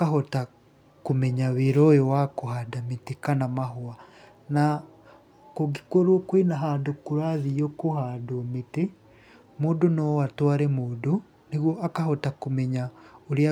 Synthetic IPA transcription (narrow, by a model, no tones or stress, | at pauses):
akaɦota | kumɛɲaβeɾɔjewakohadametekanamaɦoa | na | koɡikoɾwokwinaɦadokuɾaðiokohadomete | moːndonoatwaːɾɛmoːdo | niɣwoʔakahɔtakomɛɲaoɾja